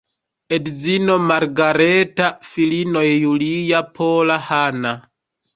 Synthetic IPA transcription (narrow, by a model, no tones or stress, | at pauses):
edzino̞maɾɡaɾetafilino̞jːulijapʰolahana